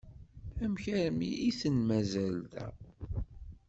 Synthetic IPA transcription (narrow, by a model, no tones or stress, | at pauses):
æmçæɾmḭʔiθənmæzæld̪æ̰